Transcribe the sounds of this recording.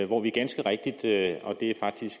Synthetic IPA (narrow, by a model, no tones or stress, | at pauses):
ʋɒʋiɐɡ̥ænsɡ̥əʁɛɡ̥̚d̥id̥ɒ̽d̥e̝æfɑ̈ɡ̥̚d̥isɡ̥